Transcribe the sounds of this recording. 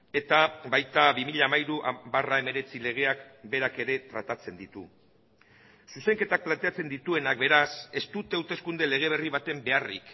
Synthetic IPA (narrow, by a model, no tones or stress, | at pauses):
e̞t̪abajt̪aβimiʎaːmajɾuʔa̰barae̞me̞ɾe̞t͡sile̞ɣ̞e̞akbe̞ɾake̞ɾe̞t̪ɾa̰t̪at͡se̞nd̪it̪u | suse̞ŋke̞t̪ak̚plant̪e̞at͡se̞nd̪it̪ue̞nak̚be̞ɾase̞st̪ut̪ewt̪e̞skund̪e̞le̞ɣ̞e̞β̞e̞riβ̞at̪e̞mbe̞arḭk